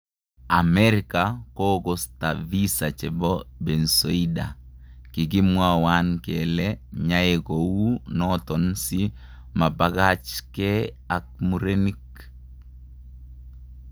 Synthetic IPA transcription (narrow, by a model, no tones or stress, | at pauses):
amɛɾɪkakoɡostavisat͡ʃɛbɔbɛnsoida̰ | kiɡimwawankɛlɛɲaekowunɔt̪ɔnsi | mabaɡat͡ʃkɛ | ak̚muɾenik